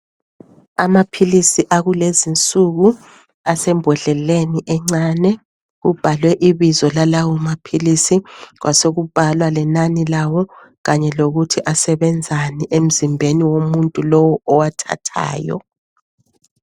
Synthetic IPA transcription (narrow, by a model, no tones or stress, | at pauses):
amapʰilisiʔaɣulezint͡sʼuɣu | asɛmbʱɛɮɛleniʔɛŋ͡ǀanɛ | ɣub̥ʱalwɛʔiβizɔlalawɔmapʰilisiɣwʔa̰soɣub̥ʱalwalɛnanilawɔ | ɣaɲɛloɣutʰiʔasɛβɛnd͡zʱaniʔem̩zimbʱeniwomuntʼulɔwɔʔɔwatʰa̰tʰa̰ːjɔ̰